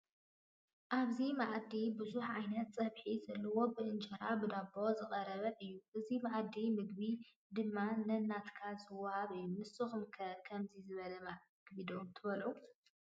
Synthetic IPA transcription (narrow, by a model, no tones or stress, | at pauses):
ʔaβzimaʕd̪ibɨzuħʕajnɐt̪sʼɐβħizɐlːɐwo̞bɨʔɨnt͡ʃʼɐɾabɨd̪abo̞zɨχʼɐɾɐβɐʔɨjːuʔɨzimaʕd̪imɨɡbi | d̪ɨmːalɐnːat̪kʰazɨwːahaβɨjːumɨsɨxumkʰɐkʰɐmzizɨβɐlɐma | ɡbid̪omt̪ʰɨβɐlʔu